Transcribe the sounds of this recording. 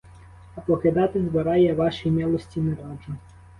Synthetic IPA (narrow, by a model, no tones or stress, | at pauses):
ɐpɔkɪd̪ɑt̪ɪzbɐɾɑjɛʋɑʃijmʲɛlˠɔsʲtʲinɛɾɑd͡ʒʊ